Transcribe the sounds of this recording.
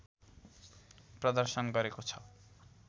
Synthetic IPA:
pɾod̪aɾʃonɡɔɾekot͡ɕʰa

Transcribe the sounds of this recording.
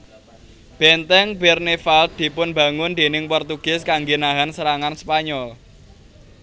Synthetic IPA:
b̥ɛnt̪ɛŋbɛrnefald̪̥i̤pʊnbä̤ŋʊnd̪̥e̤nɪŋpɔrt̪uɡ̥ɪ̤skaŋɡenaɦansəɾaŋanspaɲɔl

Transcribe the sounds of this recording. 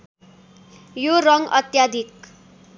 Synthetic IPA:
jorʌŋʌ̰t̪jad̪ʱik̚

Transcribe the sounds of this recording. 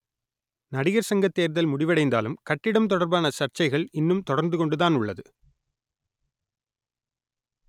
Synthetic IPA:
nɐɽɪɣɐɾsɐŋɡɐt̪ːeːɾðɐlmʊɽɪʋɐɽɐɪnd̪a̰ːlɯmkɐʈːɪɽɐmt̪ɔɽɐɾbaːnɐsɐrt͡ʃɐɪɣɐɭɪnːɯmt̪ɔɽɐɾnd̪ɯkɔɳɖɯðaːnʊɭːɐðɯ

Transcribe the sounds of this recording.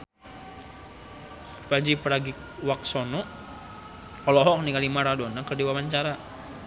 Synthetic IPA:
fad͡ʒipɾaɡik̚ | wak̚sɔnɔ | ɔlɔɦɔk̚nikalimaɾadɔnakərdiwamaɲt͡ʃaɾa

